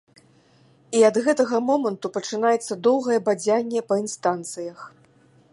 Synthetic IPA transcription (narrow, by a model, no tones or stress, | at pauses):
iɐd̪ɣɛt̪ɐɣɐmɔmɐnt̪upɐt͡ʂɨnajɛt̪sːɐd̪ɔwɣɐjɛbad͡zʲanʲːɛpɐinst̪ant̪sɨjɐx